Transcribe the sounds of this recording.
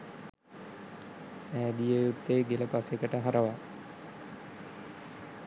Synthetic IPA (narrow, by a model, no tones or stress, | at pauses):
sæːd̪ijəjut̪ːeɡeləpasekəʈəɦaɾəʋa